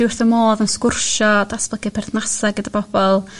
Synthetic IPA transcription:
d̥ɪwɪrθɔmoːðənskʊrʃɔdasbəɡɪpʰɛrθnasaɡədabɔb̥ɔlˠ

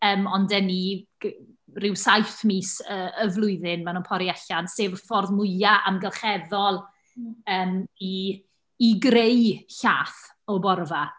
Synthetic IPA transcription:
əːmɔndɛni̥ | rɪwsajθmiːsəəvlˠʊɨðɪnmanunpʰɔɾiaɬanseːvfɔrðmʊɨaʔamɡəlˠχɛðɔlˠ | əːmiː | ɡrejɬa̰ːθ | ɔbɔrva

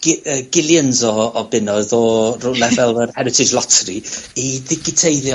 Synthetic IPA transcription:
ɡəːɡɪlˠjənzɔːbɪnɔɨðɔrulˠɛvɛlˠərhɛɾɪtʰɪd͡ʒlˠɔtʰriiðɪkɪtʰejðj

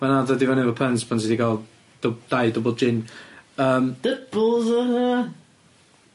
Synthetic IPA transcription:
manaðədivɔnɛvəpʰənspʰʊntidiɡalˠ | d̥əd̥ajdəbəl̩ˠd͡ʒɪnəːmd̥əb̥lˠzəə

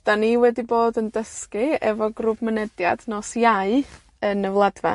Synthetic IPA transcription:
d̥aniːwɛdiboːdəndəskɨɛvɔɡrubmənɛdjadnɔsjaɨ | ənəvlˠadva̰

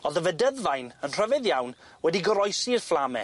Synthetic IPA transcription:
ɔðəvədəðvajnənr̥əvɛðjawn | wɛdiɡɔɾɔjsirflˠamɛ̰

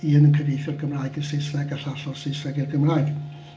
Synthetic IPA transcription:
iːənənkʰədejθjɔrɡəmraːjɡənsɪsrɛɡaɬaɬɔsɪsrɛɡirɡəmraːjɡ̥

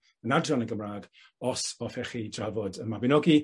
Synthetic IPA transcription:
ənadrɔnəɡəmraːɡ | ɔsɔθɛχidravɔdənmabɪnɔɡi

